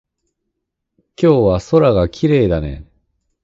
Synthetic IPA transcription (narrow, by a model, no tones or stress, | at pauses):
kʲo̞ːβaso̞ɾaɡakʲʰiɾe̞ːd̪anḛ̃